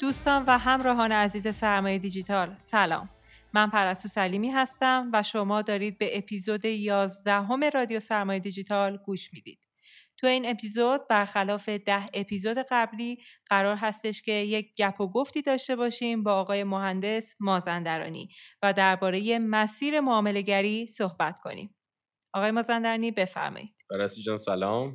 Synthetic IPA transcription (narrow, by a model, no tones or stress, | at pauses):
d̪̥uːst̪ɒːnvæɦæmɾɒːɦɒːneæziːze̞sæɾmɒːjed̪id͡ʒit̪ʰɒːlsælɒ̰ːmː | ænpʰæɾæst̪usæliːmiːɦæst̪æmvæʃo̞mɒːd̪ɒːɾiːd̪̚be̞ʔepʰiːzod̪e̞jɒːzd̪æɦo̞me̞ɾɒːd̪ijo̞sæɾmɒːje̞d̪id͡ʒit̪ʰɒlɡuːʃmiːd̪̥ḭd̪̥ | t̪ʰujeiːne̞pʰiːzod̪̚bæɾxælɒːfe̞d̪æhe̞pʰiːzod̪e̞ɣæbliːɢ̥æɾɒːɾɦæst̪e̞ʃcʰe̞je̞c̚ɟæpʰoɡo̞ft̪iːd̪ɒːʃt̪e̞βɒːʃiːmbɒːɣɒːje̞moɦænd̪e̞smɒːzænd̪æɾɒ̰ːnḭːvæd̪æɾbɒːɾe̞je̞mæsiːɾe̞moɒːme̞le̞ɟæɾiːsohbæt̪ʰkʰo̞̰nḭm | ʔɒːɣɒːjemɒːzænd̪æɾɒːnibe̞fæ̰ɾmɒ̰jid̪̥bæɾæsid͡ʒɒːnsælɒːm